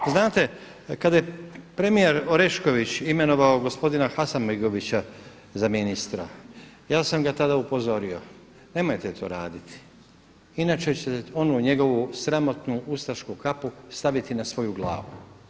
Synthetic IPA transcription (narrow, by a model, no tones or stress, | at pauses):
znaːt̪e̞ | kad̪aje̞pɾe̞mije̞ɾoɾe̞ʃko̞ʋit͡ɕime̞no̞ʋao̞ɡo̞spo̞d̪inaxasammeɡo̞ʋit͡ɕa | zaminist̪ɾa̰ | jaːsamɡat̪ad̪aupo̞zo̞ɾio̞ | ne̞mo̞jt̪et̪ʰo̞̰ːɾaːd̪it̪i̥ | inaːt͡ʃe̞t͡ɕeo̞nuɲe̞ɡo̞ʋusɾamo̞t̪nuust̪aʃkukapust̪aʋit̪inasʋo̞juɡlˠa̰ːʋu